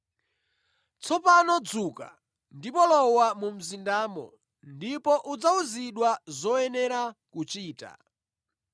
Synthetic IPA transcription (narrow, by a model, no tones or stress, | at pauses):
t͡sɔpanɔd͡zuka̰ | ndipɔlɔwamum̩zindaːmɔ̰ | ndipɔʔud͡zauziɗwazɔɛnɛɾakut͡ʃiːta̰